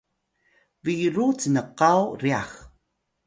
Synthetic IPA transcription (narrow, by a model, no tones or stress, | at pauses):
viɾut͡sənəqawɾiax